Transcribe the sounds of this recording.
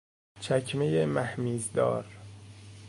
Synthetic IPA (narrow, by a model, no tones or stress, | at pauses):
t͡ʃʰækʰmejemæhmiːzd̪ɒ̰ːɾ